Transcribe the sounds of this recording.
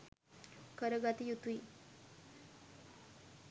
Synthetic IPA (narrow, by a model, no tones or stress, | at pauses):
kəɾəɡat̪ijut̪ui